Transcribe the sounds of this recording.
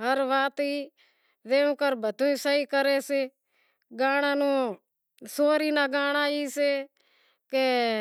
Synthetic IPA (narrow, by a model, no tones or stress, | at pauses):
ɦəɾʋaːt̪iː | deːũːkəɾbʱət̪ũːĩːsəiːkəɾeːseː | ɡaːɽ̃ãːnũː | soːɾiːnaːɡaːɽ̃aːiːseː | keː